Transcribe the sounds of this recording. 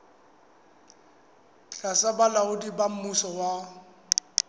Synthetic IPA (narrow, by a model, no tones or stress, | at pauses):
ɬʼasabalaʊdibam̩musɔwa